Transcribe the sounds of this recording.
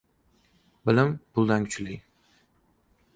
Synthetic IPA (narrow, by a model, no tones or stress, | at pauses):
bɪlɪmbʊlˠd̪ankʲʰʊ̥t͡ʃlɪj